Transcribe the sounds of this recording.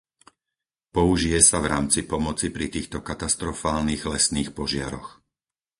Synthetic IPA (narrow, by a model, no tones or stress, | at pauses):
pɔuʒijɛsavɾaːmt͡sipɔmɔt͡sipɾit̪iːxt̪ɔkat̪ast̪ɾɔfaːlniːɣlɛsniːxpɔʒɪaɾɔx